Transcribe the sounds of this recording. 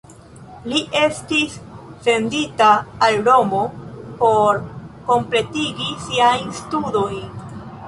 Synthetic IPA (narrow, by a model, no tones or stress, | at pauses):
liʔe̞stisfe̞nditaːlɾo̞mo̞po̞ɾko̞mple̞tiɡisiajnstudo̞jn